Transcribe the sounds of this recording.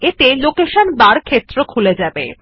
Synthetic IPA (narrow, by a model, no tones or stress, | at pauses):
et̪elokeʃənbaɾkʰet̪ːɾokʰuled͡ʑabḛ